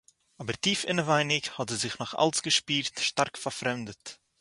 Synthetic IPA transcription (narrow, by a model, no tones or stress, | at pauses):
abəɾtiːfɪnəvaɪnɪkhɔtɛzɪχnɔχa̰lˠsɡəʃpiːɾtʃtaɾkfaɾfɾɛmdət